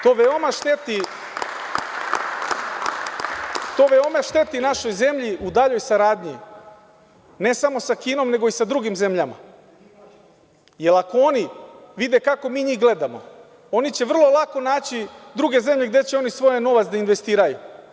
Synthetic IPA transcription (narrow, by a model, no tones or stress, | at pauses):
t̪oːʋeomaʃt̪e̞t̪i | t̪o̞ʋeomeʃt̪e̞t̪inaʃo̞jze̞mʎiʔud̪aʎo̞jsaɾaːd̪ɲḭ | ne̞samo̞sakiːno̞mne̞ɡo̞isad̪ɾuɡimze̞mʎama̰ | je̞lˠakoo̞niʋid̪ekako̞miːɲixɡle̞d̪amo̞̰ | o̞nit͡ɕe̞ʋr̩lˠo̞lˠako̞naːt͡ɕid̪ɾuɡe̞ze̞mʎe̞ɡd̪e̞t͡ɕeo̞nisʋo̞jeno̞ʋat̪sd̪ainʋe̞st̪iːɾajṵ